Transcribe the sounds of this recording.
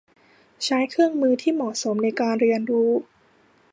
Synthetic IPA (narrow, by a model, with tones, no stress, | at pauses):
t͡ɕʰa˦˥jkʰɾɯ˥˩əŋmɯː˧t̪ʰiː˥˩mɔ˨˩so˩˦mna˧jkaː˧nɾi˧ənɾuː˦˥